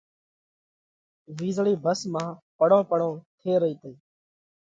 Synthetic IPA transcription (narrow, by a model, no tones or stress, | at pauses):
ʋiːzɭiːbʱəsmãːpəɽõːpəɽõːt̪ʰeːɾəiːt̪eː